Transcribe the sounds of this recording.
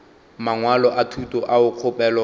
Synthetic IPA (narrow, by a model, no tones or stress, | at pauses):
maŋwalɔʔatʰutʼɔʔaʊq͡χʰʊpɛːlɔ